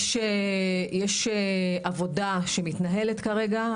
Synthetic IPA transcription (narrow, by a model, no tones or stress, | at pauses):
ʃejeʃeʔavo̞daʃemitnaɦe̞letkaʁe̞ɡa